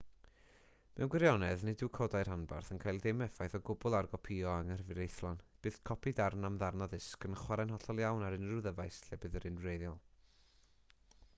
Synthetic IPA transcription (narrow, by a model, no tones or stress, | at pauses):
mɛwnɡwɪɾjɔnɛðnɪdukʰɔdaɨr̥hanba̰rθənkʰajlˠdɪmɛfajθɔɡʊbʊlˠarɡɔpʰiɔaŋər̥əvɨɾejθlˠɔnb̥ɨːθkʰɔpʰidarnamðarnaðɪskənχwaɾanɦɔɬɔlˠjawnaɾɨnruðəvajsɬɛbɨðəɾɨnrejðjɔlˠ